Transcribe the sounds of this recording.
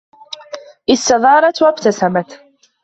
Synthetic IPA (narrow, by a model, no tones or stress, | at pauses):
ʔɪsːaðˤɑːɾˤɑt̪wabt̪asamat̪